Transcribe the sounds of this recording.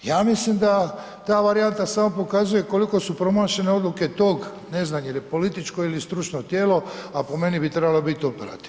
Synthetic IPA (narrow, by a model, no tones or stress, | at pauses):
jaːmislimd̪a | t̪aːʋaɾijant̪asamo̞po̞kazuje̞ko̞liko̞supɾo̞maːʃe̞neo̞d̪luke̞t̪oːɡ | ne̞znamjelipo̞lit̪it͡ʃko̞ilist̪ɾut͡ʃnot̪jeːlo̞apo̞me̞nibit̪ɾebalobit̪io̞peɾa̰t̪i̥ʋ